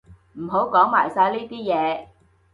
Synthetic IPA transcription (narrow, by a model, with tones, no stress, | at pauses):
m̩˨˩ɦo˨˥wkɔː˨˥ŋmaː˨˩jsaː˧jliː˥t̪iː˥jɛː˨˧